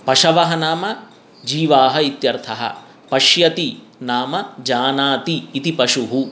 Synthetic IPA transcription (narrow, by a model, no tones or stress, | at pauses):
pɐʃɐʋɐɦɐnaːmɐ | d͡ʒiːʋaːɦɐit̪jɐɾt̪ʰɐɦɐ̰ | pɐʃjɐt̪i | naːmɐd͡ʒaːnaːt̪iːt̪ipɐʂuɦu